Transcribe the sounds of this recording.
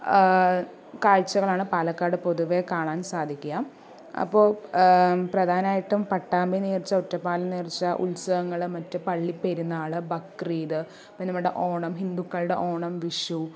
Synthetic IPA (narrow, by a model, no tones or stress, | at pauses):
kaːɻt͡ɕːɐɣɐɭaːɳɨpaːlɐkːaːɽɨpo̞ðuʋe̞kaːɳaːnsaːd̪ʱikʲːujɐm | ɐ̰pːo̞ː | prɐd̪ʱaːnaːjiʈːumpɐʈːaːmbʱiniːrt͡ɕːɐotːɐpːaːlɐniːrt͡ɕːɐʔṵlsɐɣɐŋːɐɭmɐtːupɐɭːipːeɾunːaːɭɨbɐkːriːðɨ | pinɐmːɐɽeʔo̞ːɳɐmɦind̪ukːɐɭɨɽe̞ʔo̞ːɳɐmʋiʂu